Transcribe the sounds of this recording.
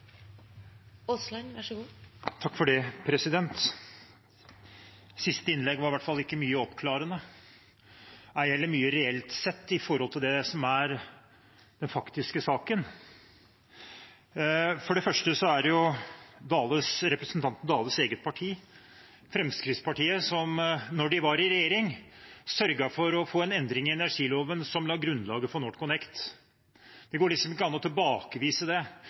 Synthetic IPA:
ɔslɑnʋɑʂəɡuːt̪ʰɑkːfɔɖɛpʰɾɛsɪd̪ɛnt̪ | sɪst̪əɪnlɛɡʋɑɾɪʋæʈfɑlːɪkːəmyːəɔpkʰlɑːɾənə | æɛlːəmyːəɾɛɛlt̪sɛt̪ːɪfɔɾhɔlt̪ɪld̪ɛsɔmæɾ | d̪̥ɛnfɑkt̪ɪskəsɑːkən | fɔɖɛfœʂʈəsɔæɾjʊd̪ɑːlʉsɾɛpɾəsnt̪ʰɑnt̪n̩d̪ɑːləseːɡət̪̚pʰɑʈʰiː | fɾɛmskɾɪt̪spɑʈiːəsɔmnɔɖɪʋɑɾɪɾɛjeːɾɪŋsœɾɡɑfɔɾɔfoːɛnɛnd̪ɾɪŋɪɛnæʂiːloːʋənsɔmlɑːɡɾʉnːlɑːɡəfɔnoːʈkʊnɛkt̪ | d̪̥ɛɡoːɭɪksɔmɪkːəɑnːɔt̪ʰɪlbɑːkəʋiːsəd̪ɛ

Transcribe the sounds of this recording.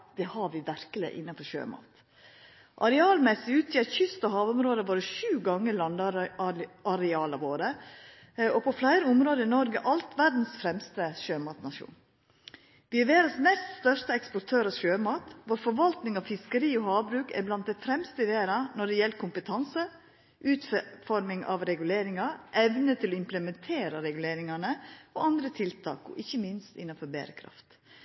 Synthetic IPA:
d̪̥ɛhɑʋɪʋæɾkəlɪ̰ʔɪ̰nːɑfɔɾʃø̰ːmɑ̰ːt̪ | ʔɑɾɛɑːlmɛsːɪʉːt̪ɪɑt̪çʏst̪ɑhɑːʋʊmɾoːd̪əboːɾəʃʉːɡɑŋːəlɑnd̪ | ɑɾɛɑːlɑʋoːɾə | ɔpʰɔflæɪɾəʊmɾoːd̪əɪnɔɾɡəʔɑlt̪ʰʋæɖn̩sfɾɛmst̪əʃøːmɑːt̪nɑʃṵːn | ʋɪæʋeːɾɑsmɛst̪st̪œʂt̪əɛkspɔɾt̪ʰøːɾɑʃøːmɑːt̪ʋoːɾfɔɾʋɑlt̪nɪŋɑʋfɪskəɾiːɔhɑːbɾʉːkæ̰ɾblɑnt̪̚d̪æɪfɾɛmst̪əɪʋeːɾɑnɔɖɛjɛlkʰʊmpət̪ʰɑnsə | ʔʉːt̪fɔɾmɪŋʔɑ̰ʋɾɛɡʉleːɾɪŋɑʔɛʋnət̪ʰɪlɔɪmpləmɛnt̪ʰeːɾəɾɛɡʉleːɾɪŋɑnəɔɑnd̪ɾət̪ʰɪlt̪ʰɑ̰ːkɔ̰ʔɪçːəmɪnst̪ɪ̰nːɑnfɔɾbḛːɾə̰kʰɾɑ̰ft̪

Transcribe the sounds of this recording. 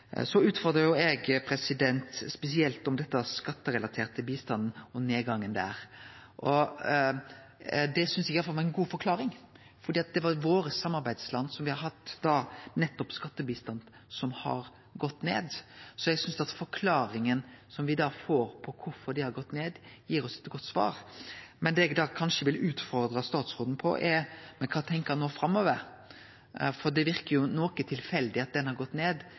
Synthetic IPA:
sɔʉːt̪fɔɾd̪ɾəjʊɛɡpʰɾɛsɪd̪ɛnt̪spɛsɪɛlt̪ɔmd̪ɛt̪ːəɑskɑt̪ːəɾɛlɑt̪ʰeːɾt̪ʰːɪlbiːst̪ɑnd̪n̩ɔneːɡɑŋːənd̪æ̰ɾʔɔ | d̪ɛsʏnsɛɡɪjɑlfɑʋɑɾɛnɡuːfɔɾkʰlɑːɾɪŋ | fɔɾd̪iːɑt̪̚d̪ɛʋɑɾʋoːɾəsɑmːɑɾbæɪd̪slɑnːsɔmʋɪhɑɾhɑt̪ːd̪ɑːnɛt̪ːɔpskɑt̪ːəbiːst̪ɑnd̪ | sɔmhɑ̰ɾ | ɡɔt̪ːnḛːd̪sɔjɛɡsʏnsd̪ɑt̪fɔɾkʰlɑːɾɪŋənsɔmʋɪd̪ɑːfoːɾpʰɔkʰʊɾfɔɾd̪ɪhɑɾɡɔt̪ːneːd̪jiːɾɔsɛ̥t̪ːɡɔt̪ːsʋɑ̰ːɾmɛnd̪ɛɛɡd̪ɑːkʰɑnʂəʋɪlʉːt̪fɔɾd̪ɾɑst̪ɑːt̪sɾoːd̪n̩pʰɔ̰ʔɛɾmɛkʰɑːt̪ʰɛŋkəɾnoːfɾɑmːoːʋəɾ | fɔɾd̪ɛʋɪɾkəɾjʊnoːkət̪ʰɪlfɛld̪ɪɑt̪̚d̪ɛnhɑɾɡɔt̪ːneːd̪

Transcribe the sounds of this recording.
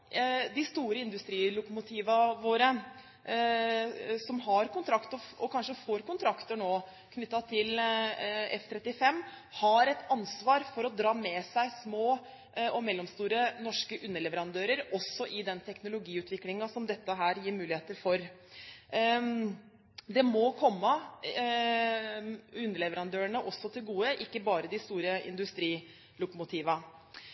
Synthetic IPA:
d̪ɪst̪uːɾəɪnd̪ʉst̪ɾiːlʊkʊmʊt̪ʰiːʋɑʋoːɾə | sɔmɦɑɾkʊnt̪ʰɾɑkt̪ɔɔkʰɑnʂəfoːɾkʊnt̪ʰɾɑkt̪əɳoː | kʰnʏt̪ːɑt̪ʰɪl | ɛ̰ft̪ʰɾɛt̪ːɪfɛmːhɑɾɛt̪ɑnsʋɑːɾfɔɾɔd̪ɾɑːmɛsæɪsmoː | ɔmɛlːɔmst̪uːɾənɔʂkəʔʉnːəɭɛʋəɾɑnd̪øːɾəɾɔsːɔʔɪd̪ɛnt̪ʰɛknʊlʊɡiːʉːt̪ʰʋɪklɪŋɑsɔmd̪ɛt̪ːəɦæːɾjiːɾmʉːlɪheːt̪əɾfɔɾ | d̪ɛmɔkʰɔmːə | ʉnːəɭɛʋəɾɑnd̪øːəɳəʔɔsːɔt̪ʰɪlɡuːəʔɪkːəbɑːɾəd̪ɪst̪uːɾəɪ̰nd̪ʉst̪ɾiː | lʊkɔmʊt̪ʰiːʋɑ

